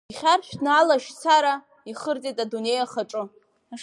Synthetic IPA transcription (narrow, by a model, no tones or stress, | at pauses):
iχʲarʃᶣnaːlaʃt͡sʰaɾa | iχərt͡sʼetʼadune̞jaχaʈ͡ʂʼɨ | a